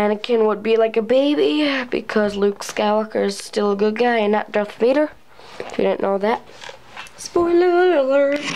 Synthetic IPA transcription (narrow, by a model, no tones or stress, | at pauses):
æ̃nɨkʰɨ̃nwəd̚bilaɪkɨbeɪbibɨ̰kʰʌzlʉkskaɪwɑkə˞ɨz̥stɪlˠəɡʊd̚ɡaɪɨ̃nːət̚d̥ʌθviɾə˞ | ɪfjɨ̰dɪdⁿn̩nːoʊðæt̚ | spɔnələ˞